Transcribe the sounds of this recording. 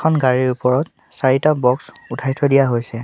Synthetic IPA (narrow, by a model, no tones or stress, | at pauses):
kʰɔnɡaɹiɹupɔɹɔt | saɹitabɔksutʰajtʰɔdijaɦojsɛ